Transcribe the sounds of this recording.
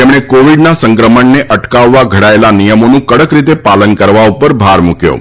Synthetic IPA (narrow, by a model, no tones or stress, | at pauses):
t̪emɽ̃ekoʋiɽnasəŋkɾəməɳneʔəʈkaʋːaɡʱəɽajelanijəmonũːkəɽəkɾit̪epalənkəɾʋaupəɾbʱaɾmukjo̰